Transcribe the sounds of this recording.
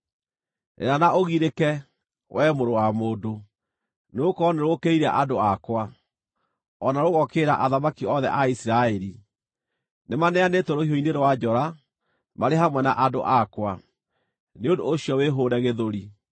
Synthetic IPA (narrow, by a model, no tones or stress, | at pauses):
ḛnanaʔoɣiɾekɛ | wʔɛmoɾowamoːdo | neokɔneɾwokeiɾɛ̰ʔadoakwa | ɔnaɾoɣɔkeɾaʔaðamakiɔðɛ̰ʔaisiɾaɛɾi | nemanɛanetoɾoiɦoineɾowad͡ʒɔɾa | maɾeɦamwɛnaʔado̰ʔakwa | neondoːɕiɔweɦoɾɛɣeðoɾi